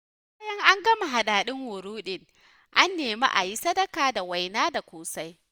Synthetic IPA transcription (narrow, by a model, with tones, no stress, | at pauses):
baː˦jɐ˦ŋʔa˦ŋɡɐ˦ma˨ɦa˨ɗaː˨ɗɪ˦ŋwʊ˨ɾuː˦ɗɪ˦ŋ | ʔa˦nːeː˨ma̰˦ʔa̰˨ji˦sɐ˦dɐ˦kaː˨da˨wa˨jnaː˦da˨kʷoː˨sa˦j